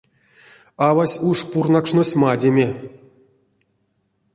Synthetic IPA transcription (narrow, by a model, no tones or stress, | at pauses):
avasʲuʂpurnakʂnosʲmadʲemʲe